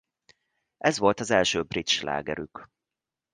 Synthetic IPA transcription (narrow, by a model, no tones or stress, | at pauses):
ʔɛzʋo̞lt̪ɒzɛlʃøːbrit̪ʃla̰ːɡɛ̰ɾyk